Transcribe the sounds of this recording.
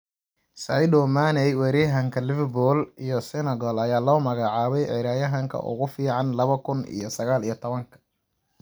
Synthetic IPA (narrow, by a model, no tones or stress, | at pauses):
sɐjdɔmanɛjwɛɾiːɦɐŋkʰɐlɪvɛbɔlijɔsɛnɐɣɔlɐjaːlɔːmɐɣɑʕɑːβɛjʕɪɾaːjɐɦɐŋkʰɐ̰ʔʊ̰ɣʊfiːʕɑnlɐβɐkʰʊnḭjɔsɐɣaːlijɞt̪ʰɔβɐŋkʰɐ̥